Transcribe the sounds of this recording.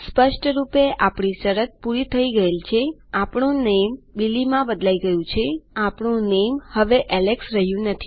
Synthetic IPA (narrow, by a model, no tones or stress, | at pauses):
spəʃʈɾupeʔapɳisəɾət̪̚puɾit̪ʰəiɡəelt͡ʃʰeapɳũnembilimãbəd̪laiɡəjũt͡ʃʰeapɳũnemhəʋeʔɛleksɾəɦjũnət̪ʰi